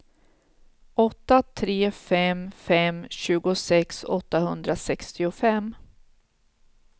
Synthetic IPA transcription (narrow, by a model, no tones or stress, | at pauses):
ɔt̪ːat̪ʰɾeːfɛmfɛmɕʉ̟ːɡʊsɛksɔ̰t̪ːahɵnd̪ɾasɛkst̪ɪʊfɛm